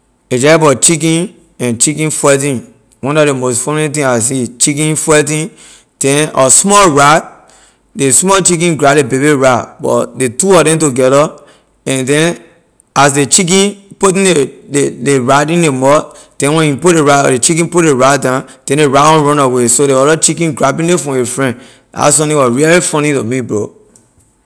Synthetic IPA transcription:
ed͡ʒɛbɔt͡ʃik̬ĩn | ɛ̃nt͡ʃikĩnfwɛt̬ĩn | wɔ̃nɔemostfɔnɛ̃t̬ĩas̬it͡ʃik̬ĩnfwɛtĩn | d̥ɛ̃nɔsmɔlɹat̚ | desmɔlt͡ʃik̬ĩnɡɹalebebiɹabɔ̰detuɔdɛ̃ntuɡɛɾa | ɛ̃ndɛ̃n | as̬det͡ʃik̬ĩnputĩneedeɹadĩndemɔt | d̥ɛ̃nwɛ̃niput̚deɹaɔ̰det͡ʃikĩnputdeɹat̚dãnd̥ɛ̃ndeɹaɔ̃nɹɔ̃nawesodeɔɾɔt͡ʃikĩnɡɹabĩndẽfɹɔ̃efɹɛ̃n | a̰s̬ɔ̃tĩwɔsɹilifɔ̃nĩtomibɹo̰

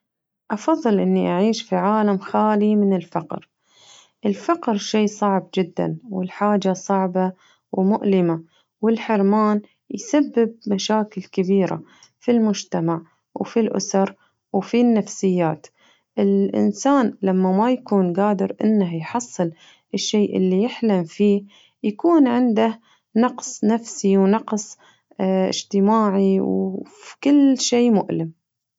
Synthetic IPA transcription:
ʔɑfɑðˤːɨlʔɪnːiʔaʕiːʃfiʕaːlamxaːlimɪnɪlfɑqɾ | ʔɪlfɑqɾʃeːsˤɑʕb̚d͡ʒɪd̪ːa̰nwɪlħaːd͡ʒasˤɑʕba | wmʊʔlɪma | wɪlħɪɾmaːn | jsabːɪb̚maʃaːkɪlkɪbiːɾa̰ | filmʊd͡ʒt̪amaʕ | wfilʔʊ̰sɑɾˤ | wfinːafsɪjːaːt̪ | ʔɪlʔɪ̰nsaːnlamːamajakuːnɡaːd̪ɪɾʔɪ̰nːahjħɑsˤːɨl | ʔɪʃːeːʔɪ̰lːijɪħlamfiːh | jakuːnʕɪnd̪ah | nɑqsˤnafsiwnɑqsˤ | ʔɪ̰d͡ʒt̪ɪmaːʕiwkɪlːʃeːmʊ̰ʔlɪm

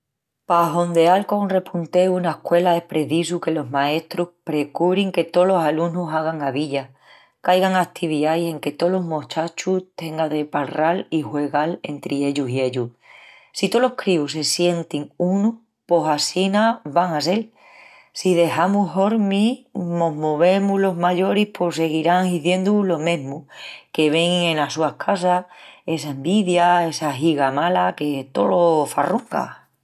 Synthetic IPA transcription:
paɦo̞nd̪e̞alkonre̞pʰunt̪e̞unaehkwe̞laehpɾe̞ðis̬uke̞lo̞ɦmae̞st̪ɾuhpɾe̞kuβɾiŋke̞t̪o̞lo̞salunusaɣ̞aŋaβiʎa | kajɣaŋakt̪ʰiβiðajse̞ŋke̞t̪o̞lo̞ɦmot͡ʃat͡ʃut̪e̞ŋɡaðe̞palralihwe̞ɣale̞̰nt̪ɾie̞ʎusie̞ʎu | sit̪o̞lo̞hkɾius̬e̞sje̞nt̪iŋunu | po̞sasinaβaŋas̬e̞l | siðe̞hamuɦo̞ɾmimo̞ɦmoβ̞e̞mulo̞ɦmaʎo̞ɾihpʰo̞s̬e̞ɣiɾaŋiθje̞nd̪ulo̞mẽ̞ɦmuke̞βe̞ŋẽ̞nasuahkʰas̬ae̞saembiðjae̞saɦiɣamalake̞t̪o̞̰lo̞faruŋka̰

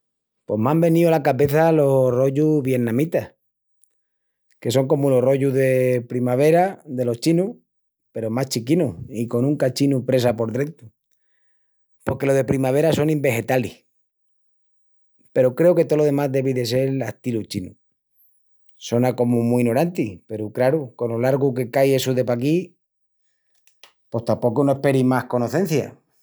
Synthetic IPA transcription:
pwo̞mãmbe̞niolakaβe̞θalo̞ro̞ʝuβjenãmit̪a | ke̞s̬o̞ŋko̞muloro̞ʝuðe̞pɾimaβ̞e̞ɾaðe̞lo̞t͡ʃinu | pe̞ɾo̞maht͡ʃikinuiko̞nũŋkat͡ʃinupɾe̞s̬apo̞ɾðɾent̪u̥ | po̞ɾke̞loðe̞pɾimaβ̞e̞ɾaso̞nĩmbe̞xe̞t̪ali | pe̞ɾokɾe̞oke̞t̪o̞lo̞ðe̞mazðe̞βiðe̞s̬e̞ɾlaht̪ilut͡ʃinṵ | so̞nako̞mumuinoɾant̪ipe̞ɾukɾaɾuko̞nolaɾɣuke̞kaje̞suðe̞pak̬i | po̞st̪ampo̞kunoe̞hpe̞ɾimahko̞no̞θe̞nθja̰

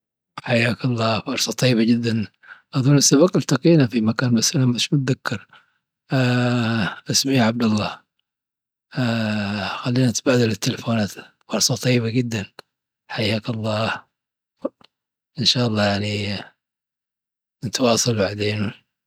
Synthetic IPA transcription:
ħajːaːkɑlˤːɑːfɑɾˤsˤɑt̪ˤɑjːbad͡ʒɪd̪ːan | ʔɑðˤunasːaβɑqalt̪aqiːnafimakaːnmasalanmaʃmʊt̪̚ðakːɑɾ | ʔɪsmijʕab̚d̪ɑlˤːɑː | xalːiːnaɪt̪baːd̪alɪt̪ːɪlfoːnaːt̪ | fɑɾˤsˤɑt̪ˤɑjːɪbaɡɪd̪ːan | ħajːaːkɑlˤːɑː | ʔɪnʃɑːʔɑlˤːɑːjaʕni | nɪt̪wɑːsˤɑlbaʕd̪eːnu

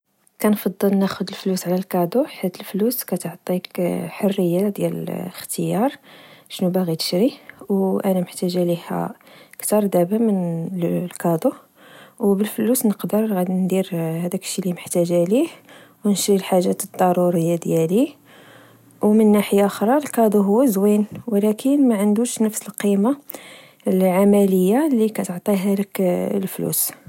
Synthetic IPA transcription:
kænfɑd̪ˤːəlnæxʊd̪əlflusʕlælkɑd̪uħit̪əlfluskæt̪ʕt̪ˤikħorːəjːad̪jæl̰əxt̪əjɑɾˤʃnubæɣit̪ə̥ʃɾiwʔænæməħt̪æʒælihæ̰kt̪ɑɾˤd̪æbamənlkɑd̪o | wbəlflusnəqd̪əɾˤɣæd̪nd̪iɾhæd̪ækʃːiliməħt̪æʒælih | wnʃɾilħaʒːæt̪əd̪̥ˤːɑɾuɾəjːad̪jæli | wmənːaħəjaʔxɾˤɑlkɑd̪ˤuɦʊwːæzwinwlækʰənmæʕənd̪uʃnəfsəlqima | lʕamæləjːalikæt̪əʕt̪ˤiɦæləklflṵs

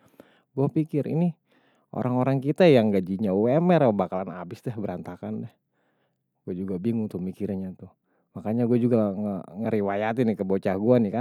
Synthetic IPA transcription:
ɡuapikɪɾḭni | ʔo̰ɾʔaŋoɾaŋkit̪ajaŋɡad͡ʒiɲauɛmɛɾpəbakalana̰bɪsdɛhbəɾant̪akandɛh | ɡuad͡ʒuɡabiŋʊŋt̪uhmikiɾɲat̪u | makaɲaɡuad͡ʒuɡaŋəŋəɾiwajat̪inikəbot͡ʃaɡuanikan

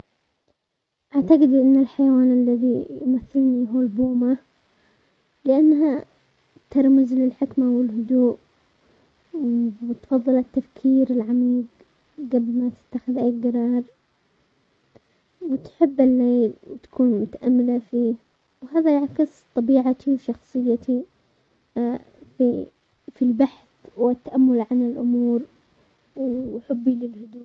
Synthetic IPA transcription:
ʔaʕt̪aɡɪd̪ʔɪnːalħajawaːnʔalːaðijmaθːɪlniɦuːlbuːma | lɪʔanːɦa | t̪ɑɾˤmɪzlɪlħɪkmawɪlhʊd̪uːʔ | wt̪fɑðˤːɨlɪt̪ːafkʰiːɾɪlʕamiːɡ | ɡablmat̪ɪ̥t̪ːaxɪðʔaːɡ̪ɑɾˤɑːɾˤ | wɪt̪ħɪbːɪlːeːwt̪ḁkʰuːnmʊt̪aʔamːɪlafiː | wɦaːðajaʕkɪst̪ˤɑbiːʕat̪iwʃɑxsˤɨjːat̪ʰi | fi | filbaħθwɪt̪ːaʔamːʊlʕanɪlʔʊmuːɾ | wħɪbːilɪlhʊd̪uːʔ

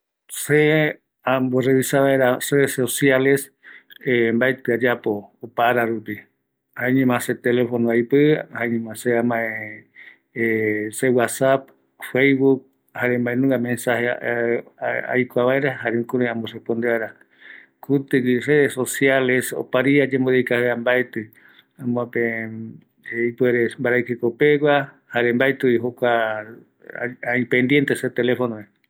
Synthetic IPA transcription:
se | ãmboreβisaβaeɾareðesosjale̞s | embaet̪ɨad͡ʒapo̞ːpaɾaɾupi | hãẽɲẽmãset̪elefonoajpɨhaẽɲẽmãseamãẽ | sewasap̚ | fejβuk̚ | haɾembaẽnũŋɡamẽnsahe | a̰jkʷaβaeɾahaɾeũkuɾoãmborepond̪eβaeɾa | kut̪ɨɡire̞ðeso̞sjaleso̰paɾiad͡ʒemboðikaheambaet̪ɨ | ãmãpe | ipweɾembaɾajkekopewʷa | haɾembaet̪ɨiɦokʷa | aĩpend̪je̞nt̪eset̪elefonoe

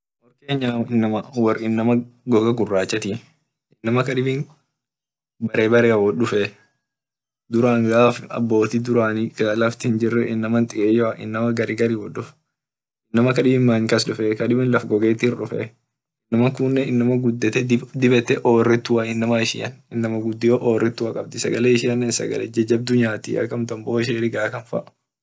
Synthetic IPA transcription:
wɔɾke̞ːɲːaɪnːɐmɐwɐrɪnːɐmɐɡɔɡɐɡʊrːaːt͡ʃːɐt̪i | ɪnːɐmɐkɐᶑɪbɪn | bɐɾeːbɐɾeːwɔᶑʊfɛ | d̪ʊɾaːŋɡaːfɐ̰bːo̞ːt̪ɪd̪ʊɾaːnɪɐlɐft̪ɪhɪnd͡ʒɪrːɛʔɪnːɐmɐnt̪ʼɪʔeːjɔɐʔɪ̰nːɐmɐɡɐɾiːɡɐɾiːwɔᶑʊf | ɪnːɐmɐkɐᶑɪbmːaːŋkɐsᶑʊfɛkɐɗɪbɪnlɐfɡɔɡe̞ːt̪ːɪhɪrɗʊfɛ̰ | ɪnːɐmɐŋkʊnːɛɪnːɐmɐɡʊd̪ːɛt̪ɛd̪ɪbɛt̪ːɛʔoːrːɛt̪ːʊwɐɪnːɐmɐɪʃɪ̰ːɐnɪnːɐmɐɡʊd̪ːɪjoʔoːrːɛt̪ːʊwɐkʼɐb̚d̪ɪsɐ̰ɡɐleːɪʃɪːɐnːɛsɐ̰ɡɐ̰lɛd͡ʒɛd͡ʒːɐb̚d̪ʊɲːaːt̪ɪ̰ɐ̰kːɐmt̪ɐmbo̞ːɪʃ̬eːɾɪɡaːkɐnfɐ̰ʔ

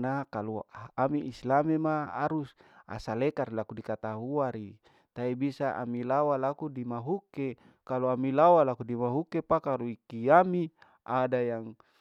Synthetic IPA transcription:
nakaluamiislamemaa̰ɾusa̰salekaɾilakudikat̪aɦuaɾi | t̪aibisaʔa̰milawalakudimaɦuke | kaluamilawalakudimaɦukepakaluikiami | ʔadajaŋ

